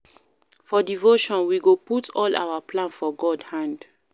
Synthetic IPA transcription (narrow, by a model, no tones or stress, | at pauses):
fɔdivoʃɔ̃nwiɡoputʰɔla̰waplãnfɔɡɔdhãnd